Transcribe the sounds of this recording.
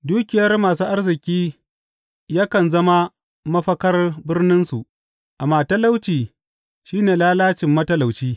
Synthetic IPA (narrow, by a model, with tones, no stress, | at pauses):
duː˦kʲɪ˨jɐ˦rmaː˨suː˦ʔa˦rzɪ˨kʲiː˦ | jaː˦kɐ˨nzɐ˦ma˦ | mɐ˦ɸɐ˦kɐ˦rbɪ˦rnɪ˦nsu˨ʔ | ʔa˨maː˨tɐ˦la˦wt͡ʃiː˨ | ʃiː˦neː˨laː˦laː˦t͡ʃɪ˨mːɐ˦tɐ˦la˨wt͡ʃiː˦